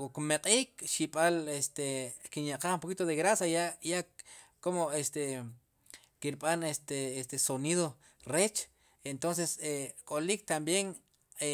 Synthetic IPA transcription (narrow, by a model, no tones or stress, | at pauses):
okmeqʼiːkʃiɓʼalest̪ekinjaqaχumpokit̪oðeɣɾasajajakomoest̪e | kiɾɓanest̪eest̪esoniðo | ret͡ʃ | ent̪ons̬esekʼolik̚t̪ambjeŋ | e